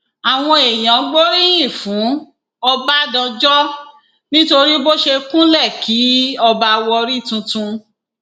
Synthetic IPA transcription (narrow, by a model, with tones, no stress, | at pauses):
a˨w̃ɔ̃˧e˨j̃ã˨ɡ͡bo˦ɾi˦j̃ĩ˦˨fũ˨˦ | ɔ˧ba˦dã˧d͡ʒɔ˦ | nĩ˦to˧ɾi˦bo˦ʃe˧kũ˦lɛ˦˨kʰi˨˦ɔ˧ba˧wɔ˧ɾi˦˨tũ˧tũ˧